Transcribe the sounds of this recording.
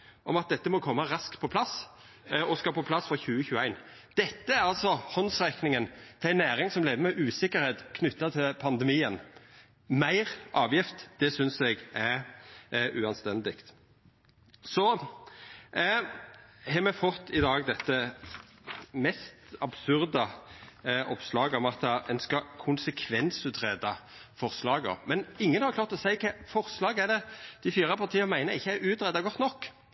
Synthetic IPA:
ʔɔmɑt̪̚d̪ɛt̪ːəmɔkʰɔmːɑɾɑsk̪pʰɔpʰlɑs | ɔskɑpʰɔpʰlɑsfɑçʉːəçʉːəæɪn | d̪̥ɛt̪ːəæɾɑlsɔhɔnsʁɛknɪŋənt̪ʰɪlæɪnæːɾɪŋsɔmlæɪʋəmɛʔʉːsɪkːəɾheːt̪kʰnʏt̪ːɑt̪ʰɪlpʰɑnd̪əmiːən | mæɪɾʔɑːʋjɪft̪d̪̥ɛsʏnsɛɡæɾ | ʔʉːɑnst̪ɛnd̪ɪkt̪ | sɔ | hɛmɛfɔt̪ːɪd̪ɑːɡd̪ɛt̪ːə | mɛst̪ɑbsʉɾd̪ɑ | ʔɔpslɑːɡɔmɑt̪ːəɛnskɑkʰʊnsəkʰʋɛnsʉt̪ɾɛd̪ɑfɔʁslɑːɡɔ̰mɛnɪŋːənhɑɾkʰlɑːʁt̪ɔsæɪkʰɛfɔʁslɑːɡæɖ̪ɛd̪̥ɪfiːɾɑpʰɑʁt̪ʰiːəmæɪnəɪçːəæɾʉːt̪ɾɛd̪ɑɡɔt̪ːnɔkː

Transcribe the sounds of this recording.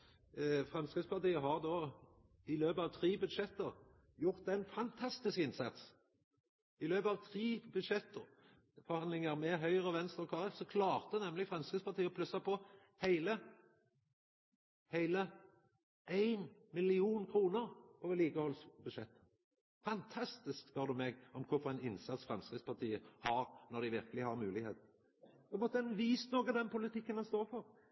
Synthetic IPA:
fʁɛmskɪspɑʁt̪iːəɦɑʁd̪oː | ɪløːpəɑʋt̪ʰʁiːbʉd̪ʃɛt̪ːəʁ | jʊʁt̪̚d̪ɛɪnfɑnt̪ʰɑst̪ɪskɪnsɑt̪s | ɪløːpəɑʋt̪ʰʁiːbʉd̪ʂɛt̪ːəʁ | fɔʁhɑnlɪŋəʁmɛɦœʏʁəɔʋɛnst̪ɔkʰɑːʁɛfsɔkʰlɑːʁt̪ənɛmːlɪɡfʁɛmskəspɑʁt̪ʰiːəɔpʰlʉsːɑpʰɔ | hæɪlə | hæɪlə | ʔæɪnmɪlɪuːnkʰɾuːnəɾɔːʋəliːkəhɔlsbʉd̪ʃɛt̪ːə | fɑnt̪ʰɑst̪ɪskb̥øːd̪ʉmɛɡɔmkʰʊɾfɔɾɛɪnɪnsɑt̪sfʁɑmskʁɪspɑt̪ʰiːəhɑʁnɔɾd̪ɪʋɪʁkəlɪhɑɾmʉːlɪɡheːt̪n̩ | ɛmɔt̪ːəɛnʋiːst̪noːɡɑd̪ɛnpʊlɪt̪ʰɪkːənhɑnst̪oːfɔʁ

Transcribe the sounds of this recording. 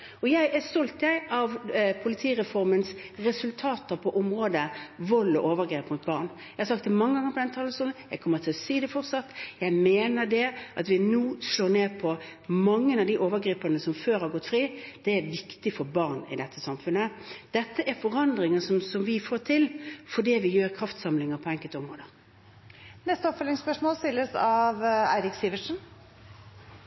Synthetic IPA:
ɔjæɪʔæɾst̪ɔlt̪jæɪʔɑʋpʰʊlɪt̪ʰiːɾɛfɔɾmənsɾɛsʉlt̪ʰɑːt̪əɾpʰɔʔʊmɾoːd̪əʋɔlːɔʔoːʋəɾɡɾeːpmʊt̪̚bɑːɾn | jæɪhɑɾsɑk̚t̪ːɛmɑŋːəɡɑŋːəɾpʰɔd̪ɛnt̪ʰɑːləsuːlənjæɪkʰɔmːəɾt̪ʰɪlɔsiːd̪ɛfɔɾsɑt̪ːjæɪmeːnəɖ̪ɛʔɑt̪ʋɪnuːsɭoːɾneːpʰɔmɑŋːənɑʋd̪iʔoːʋəɡɾiːpɑnəsɔmføːɾhɑɾɡɔt̪ːfɾiːd̪̥ɛæɾʋɪkt̪ɪfɔɾbɑɾnɪ̰d̪ɛt̪ʰːəsɑmfʉnəd̪̥ɛt̪ːəʔæɾfɔɾɑnd̪ɾɪŋəsɔmsɔmʋɪfoːt̪ʰɪlfɔɖiːʋɪjøːɾkʰɾɑft̪sɑmlɪŋəpʰɔɛŋkəlt̪ɔmʁoːd̪ə | nɛst̪əɔpfœlɪŋspœʂmoːlst̪ɪlːəsɑʋæ̰ɪɾɪksiʋəʂn̩

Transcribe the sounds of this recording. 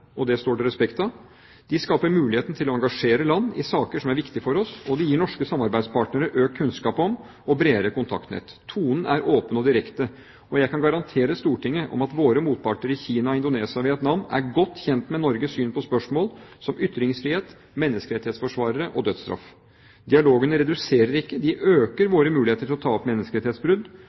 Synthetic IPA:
ɔd̪ɛst̪oːɖɛɾɛspɛkt̪ɑ | d̪̥ɪskɑːpəɾmʉːlɪheːt̪n̩t̪ʰɪlɔɑŋɡɑʂeːɾəlɑnːɪ̰sɑːkəʂɔmæɾʋɪkt̪ɪfɔɾɔsɔd̪ɪjiːɳɔʂkəsɑmɑɾbæɪspʰɑːʈnəɾəɾʔøːkkʰːʉnskɑːpɔm | ɔbɾeːɾəkʊnt̪ʰɑ̰kt̪nḛːt̪ʰuːnən̩ʔæɾoːpənɔd̪ɪɾɛkt̪ə | ɔjæɪkɑnɡɑɾɑnt̪ʰeːɾəst̪uːʈɪŋːəʔɔ̰mɑt̪ʋoːɾəmuːt̪̚pʰɑʈɳəɾɪçiːnɑɔɪnd̪ʊneːsɪɑʋɪɛt̪nɑnnæ̰ɾɡɔt̪ːçɛnt̪mɛnɔɾɡəsyːnpʰɔspœʂmoːlsɔmʏt̪ːɾɪŋsfɾɪːheːt̪ | mɛnːəskəɾɛt̪ɪheːt̪sfɔʂʋɑːɾəɾəʔɔd̪œd̪st̪ɾɑ̰f | d̪ɪɑloːɡənəɾɛd̪ʉseːɾəɾɪkːəd̪ɪʔøːkəɾʋoːɾəmʉːlɪeːt̪əʈʰɪlɔt̪ʰɑːɔpmɛnːəskəɾɛt̪ɪhet̪sbɾʉd̪

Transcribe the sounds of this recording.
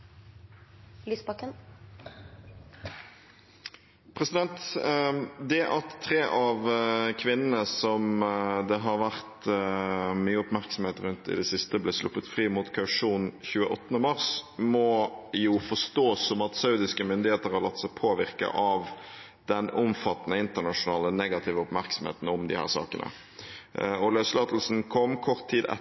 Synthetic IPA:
lyːspɑkːən | pʰʁɛsɪd̪ɛnt̪ | d̪ɛʔɑt̪ʰːʁeːʔɑʋkʰʋɪnənəsɔmd̪ɛɦɑɾʋæʁt̪ | myːəʊpmæʁksɔmheːt̪ɾʉnt̪ɪ̰d̪ɛsɪst̪əblɛslʊ̰pːət̪fʁiːmʊːt̪kʰɑʉʂuːnçʉːəʔɔt̪ːənəmɑʁsmɔjʊfɔʂt̪oːsɔmɑt̪sɑʉd̪ɪskəmʏnd̪ɪheːt̪əɾhɑɾlɑt̪ːsæɪpʰoːʋɪʁkə̰ʔɑʋ | d̪ɛnʊmfɑt̪ːnəɪnt̪əʁnɑʂʊnɑːlənɛɡɑt̪ʰɪʋəʊpmæʁksɔm̩hḛːt̪n̩ʊmd̪ɪhæ̰ːʁsɑ̰ːkənə̰ | ɔløːslɑːt̪əl̩sn̩kʰɔmːkʰɔʁt̪ʰːiːd̪ɛ̰

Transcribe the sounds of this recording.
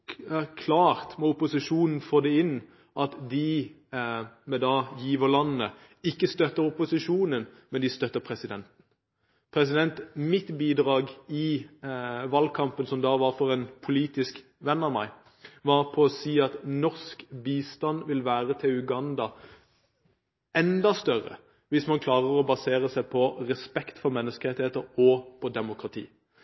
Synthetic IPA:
kʰlɑːʁt̪mɔʊpʊsɪʂuːnn̩foːd̪ɛɪnː | ʔɑt̪d̪ɪ | mɛd̪ɑːjiːʋəʁlɑnːə | ɪkːəst̪œt̪əɾʊpʊsɪʂuːnənmɛnd̪ɪst̪œt̪ːəpʰʁɛsɪd̪ɛnt̪n̩ | pʰʁɛsɪd̪ɛnt̪mɪt̪biːd̪ʁɑːɡɪ | ʋɑlkʰɑmpənsɔmd̪ɑːʋɑʁfɔʁɛːnpʰʊliːt̪ɪsk | ʋɛnːɑʋmæɪ | ʋɑːʁpʰɔːsiːɑt̪nɔʁskbiːst̪ɑnʋɪlʋæːʁət̪ʰɪlʉɡɑnd̪ɑ | ʔɛnd̪ɑst̪œʁə̰ | ʋɪsmɑnkʰlɑːʁəʁɔbɑseːʁəsæɪpʰɔʁɛspɛkt̪fɔɾmɛnːəskəɾɛt̪ɪheːt̪əɾɔpʰɔd̪ɛmʊkʁɑt̪ʰḭː

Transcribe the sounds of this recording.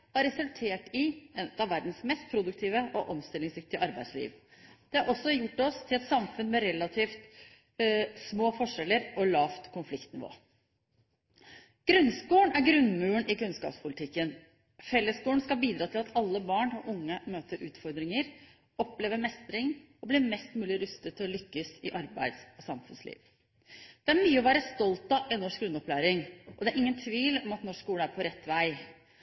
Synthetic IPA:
hɑɾɛsʉlt̪ʰeːʈɪɛt̪ɑʋːæɾd̪n̩smɛst̪̚pʰɾʊd̪ʉk̚t̪ʰiːʋəʔɔʔɔmst̪ɪlːɪŋsɾɪft̪ɪəʔɑɾbæɪd̪slḭːʋ | d̪̥ɛɑɾʔɔsːɔjʊʈːɔst̪ʰɪlɛt̪sɑmfʉnmɛɾɛlːɑt̪ʰiːft̪ | smoːfɔʂɛlːəɾɔlɑːft̪kʰʊnflɪkt̪nɪʋo̰ː | ɡ̥ɾʉnskuːəɳæɾɡɾʉnmʉːəɳɪkʉnskɑ̰ːpspʰʊlɪt̪ʰɪkːən | fɛlːəskuːəɳ̩skɑbiːd̪ɾɑːt̪ʰɪlɑt̪ʰɑlːəbɑːɳɑʔʊŋːəmøːt̪əɾʉːt̪fɔɾd̪ɾɪŋəɾ | ɔpleːʋəmɛst̪ɾɪŋ | ɔbliːmɛst̪mʉːlɪɾʉst̪ət̪ʰːɪlɔlʏkːəsɪʔɑɾbæ̰ɪd̪sɔsɑmfʉnslḭːʋ | d̪̥ɛæɾmyːəɔʋæːɾəst̪ɔlt̪ɑʔɪnɔʂkɡɾʉnːɔplæːɾɪŋʔɔd̪ɛæɾʔɪŋːənt̪ʰʋiːlɔmɑt̪nɔʂuːləæɾpʰɔɾɛt̪ːʋæɪ

